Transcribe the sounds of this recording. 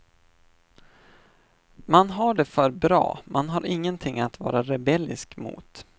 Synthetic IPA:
manɦaɖɛfœɾbɾɑ̰ːmanɦaɾʔɪŋːənt̪ʰɪŋːat̪vɑ̰ːɾaɾɛbɛlːɪ̰skmṵːt̪

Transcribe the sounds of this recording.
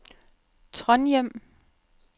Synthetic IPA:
t͡sʰʁɒnjem̰

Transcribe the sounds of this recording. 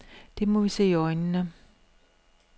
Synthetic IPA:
d̥e̝mɒʋise̝̰ːiɒɪnnə

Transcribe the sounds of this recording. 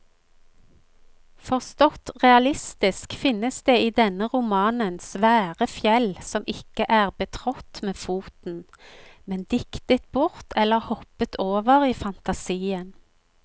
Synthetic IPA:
fɔʁst̪ɔt̪ʁɛɑlɪst̪ɪskfɪnəsd̪eːiːd̪ɛnəʁʊmɑːnənsʋæːʁəfjɛlsɔmʔɪkəʔæːʁbət̪ʰʁɔt̪meːfuːt̪n̩ | mɛnd̪ɪkt̪ət̪̚bʊʁt̪ʰɛlːəʁhɔpət̪ʰoːʋəʁiːfɑnt̪ɑsiːən

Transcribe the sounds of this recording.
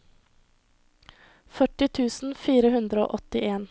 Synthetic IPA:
fœʈɪt̪ʰʉːsn̩fiːɾəhʉnd̪ɾəo̰ːʔɔt̪ɪʔeːn

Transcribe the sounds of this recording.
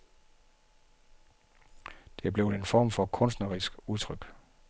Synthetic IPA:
d̥e̝b̥le̝ʊdenfɒ̰ːmfɒ̽kʰɔ̽nsd̥nɐʁisɡ̥uðˠt͡sʰʁœɡ̥

